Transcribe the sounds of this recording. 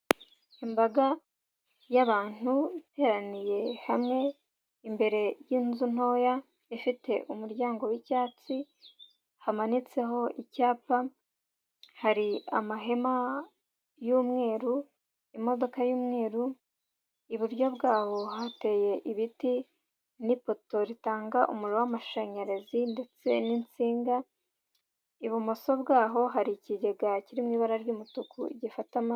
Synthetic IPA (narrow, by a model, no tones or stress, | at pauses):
imbaɡa | jaβaːn̥uite̞ːɾanije̞hamŋe̞ | imbe̞ɾe̞jinzun̥o̞ːja | ifite̞ʔumuɾɟaːŋɡo̞wicaːt͡si | hamanit͡se̞ɦo̞icaːpa | haɾia̰maɦe̞ma | juːmŋe̞ːɾu | imo̞do̞kajuːmŋe̞ːɾu | iβuɾjo̞bɡaːho̞hate̞je̞ʔiβiti | nipo̞to̞ɾitaːŋɡaʔumuɾowamaʃaɲaɾezinde̞t͡se̞nint͡siːŋɡa | iβumo̞so̞bɡaːɦo̞ɦaɾiciɟe̞ɡaciɾimŋiːβaɾaɾɟuːmutukuiɟifatama